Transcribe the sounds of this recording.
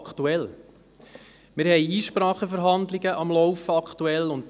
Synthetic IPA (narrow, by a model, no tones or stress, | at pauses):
ktuɛl | mɪɾhɛjiːʃpɾɑːχəfəɾɦɑndlɪɡəʔɑmlɔwfəɑkʰt̪uɛlʊnt